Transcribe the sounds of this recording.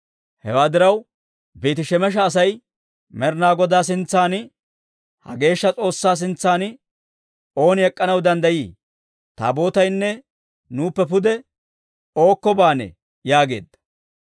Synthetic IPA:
hɛ̰waːd̪ɪɾɐw | biːt̪ɪʃɛmɛʃ̬ɐːs̬ɐj | mɛɾnaːɡɔd̪aːs̬ɪnt͡sːaːn | hɐ̰ɡe̞ːʃːɐt͡sʼo̞ːsːaːs̬ɪnt͡sːaːn | o̞ːnɪɛkʼːɐnɐwd̪ɐnd̪ɐjiː | t̪a̰ːbo̞ːt̪ɐjnːɛ | nuːpːɛpʊd̪ɛ | o̞ːkːɔbaːnɛ̰ | jaːɡe̞̰ːd̪ːɐ̥

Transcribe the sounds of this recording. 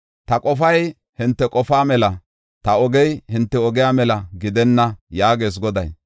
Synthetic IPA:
t̪ɐkʼɔfɐj | hɪnt̪ːɛkʼɔfaːmɛlɐ | t̪ɐɔɡɛjhɪnt̪ːɛɔɡɪjaːmɛlɐɡɪd̪ɛnːɐjaːɡeːs̬ɡɔd̪ɐj

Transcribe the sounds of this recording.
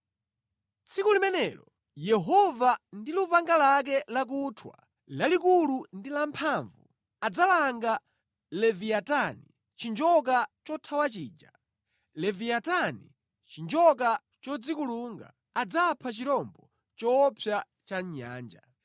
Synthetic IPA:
t͡sʰikulimɛnɛlɔ | jɛɦɔvandilupaŋɡalak̬ɛlak̬utʰwa̰ | lalikulundilampʰaɱvu | ad͡zalaŋɡa | lɛviatani | t͡ʃind͡ʒɔk̬at͡ʃɔtʰawat͡ʃiːd͡ʒa | lɛviatani | t͡ʃind͡ʒɔk̬a | t͡ʃɔd͡zikuluːŋɡa̰ːd͡zapʰat͡ʃiɾɔmbɔ | t͡ʃɔːpʰja | t͡ʃaɲa̰ːnd͡ʒa

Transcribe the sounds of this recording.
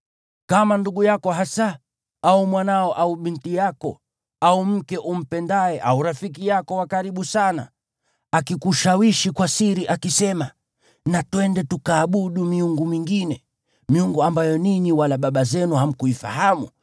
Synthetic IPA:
kamanduɡujakɔɦasa | aumwanaɔʔauɓintijakɔ | aum̩kɛʔum̩pɛndaɛʔauɾafik̬ijakɔwakaɾiɓusana̰ | akikuʃawiʃikwasiɾiʔakisɛma | natwɛndɛtukaːɓuɗumiuŋɡumiŋɡinɛ | miuŋɡuambajɔniɲiwalaɓaɓazɛnuham̩kuifa̰hamṵ

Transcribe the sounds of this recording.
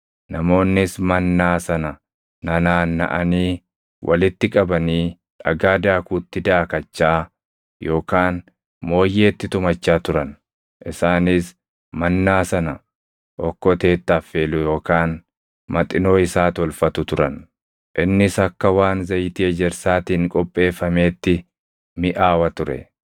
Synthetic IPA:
nɐmo̞ːnːɪsmɐnːaːsɐnɐ | nɐnaːnːɐ̰ʔɐniː | wʔɐ̰lɪt̪ːɪkʼɐbɐniː | ᶑɐ̰ɡaːd̪aːkuːt̪ːɪd̪aːkɐt͡ʃːaː | jo̞ːkaːn | mo̞ːjːeːt̪ːɪt̪ʊmɐt͡ʃːaːt̪ʊɾɐn | ʔɪsaːnɪs | mɐnːaːsɐnɐ | ʔɔkːɔt̪e̞ːt̪ːɐːfːe̞ːlʊjo̞ːkaːn | mɐt̪ʼɪno̞ːɪsaːt̪ɔlfɐt̪ʊt̪ʊɾɐn | ʔɪnːɪsɐkːɐwaːnzɐjt̪iɛd͡ʒɛɾsaːt̪iːŋkʼɔpʼːe̞ːfːɐme̞ːt̪ːɪ | mɪʔaːwɐt̪ʊɾɛ̰

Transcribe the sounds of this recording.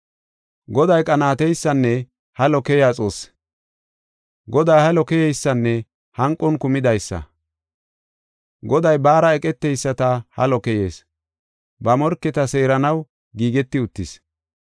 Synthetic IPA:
ɡɔd̪ɐjkʼɐnaːt̪ɛjsːɐnːɛ | hɐlɔkɛjaːt͡sʼoːs | ɡɔd̪aːhɐlɔkɛjɛjsːɐnːɛ | hɐŋkʼːɔnkʊmɪd̪ɐjsːɐ̰ | ɡɔd̪ɐjbaːɾɐɛkʼɛt̪ːɛjsːɐt̪ɐhɐ̰lɔkɛjeːs | bɐmɔɾkːɛt̪ɐse̞ːɾɐnɐw | ɡiːɡɛt̪ːɪʊt̪ːɪs

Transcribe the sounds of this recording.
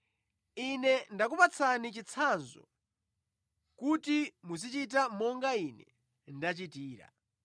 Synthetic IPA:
inɛndak̬upat͡sʰanit͡ʃit͡sʰanzɔ̰ | kutimus̬it͡ʃit̬amɔŋɡainɛ̰ | ndat͡ʃitiːɾa̰

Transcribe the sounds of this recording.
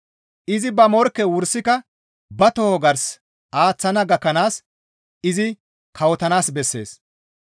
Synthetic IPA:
ʔɪzɪbɐmɔɾkːɛwʊɾsɪkɐ | bɐt̪ɔhɔɡɐɾs | ʔaːt͡sːɐnɐɡɐkːɐnaːs | ɪzɪ | kɐwɔt̪ɐnaːsbɛsːe̞̰ːs

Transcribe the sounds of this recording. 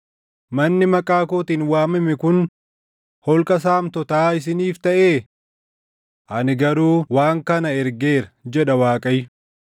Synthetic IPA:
mɐnːɪmɐkʼaːkoːt̪iːnwaːmɪmɪkʊn | hɔlkʼɐs̬aːmt̪ɔt̪aːɪs̬ɪniːft̪ɐʔeː | ʔɐnɪɡɐɾuːwaːŋkɐnɐɛɾɡe̞ːɾɐd͡ʒɛᶑɐwaːkʼɐj

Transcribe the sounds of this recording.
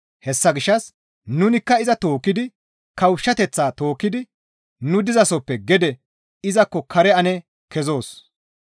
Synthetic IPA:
hɛsːɐɡɪʃːɐs | nʊnɪkːɐɪzɐt̪o̞ːkːɪd̪ɪ | kɐwʃːɐt̪ɛt͡sːaːt̪o̞ːkːɪd̪ɪ | nʊd̪ɪzɐsɔpːɛɡɛd̪ɛ | ɪzɐkːɔkʰɐɾɛɐnɛ | kɛzo̞ːs

